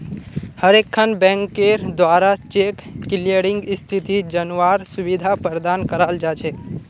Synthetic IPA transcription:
həɾekʰːənbɛ̃ŋkeɾd̪ʋaɾat͡ʃekːiliəɾĩŋɡɪst̪ʰit̪id͡ʒənaɾsubid̪ʱapəɾd̪ankəɾald͡ʒat͡ʃʰe

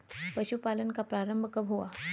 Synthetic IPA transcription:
pəɕupalənkapɾaɾəmbʱəkəbɦoa

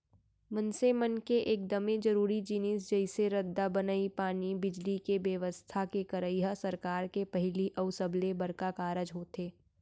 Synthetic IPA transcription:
mənsemənkeʔeːk̚d̪ɐmẽd͡ʒɐɾuːɾid͡ʒɪnɪs̬d͡ʒɐɪseɾəd̪ːabɐnaːipaːnibɪd͡ʒlikeʋjəʋəst̪ʰakekɐɾəɪɦasɐɾkaːɾkepɐɦɪliʔɐʊsəblebɐɾkakaːɾəd͡ʒɦoːt̪eː

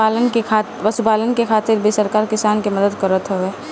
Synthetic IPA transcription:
aːlənkekʰa | ʋəsupaːlənkekʰaːt̪ɪɾbisəɾkaːɾkɪsaːnkeməd̪əd̪kəɾət̪ɦɛe

